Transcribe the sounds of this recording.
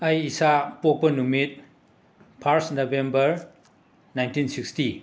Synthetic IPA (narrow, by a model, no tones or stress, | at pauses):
ɐjisapok̚pɐnumit̚ | pʰaɾsnobembɐɾ | najntinsiksti